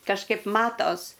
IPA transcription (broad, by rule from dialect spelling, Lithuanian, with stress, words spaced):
kɐʃˈkɐɪp ˈmɑːtoːs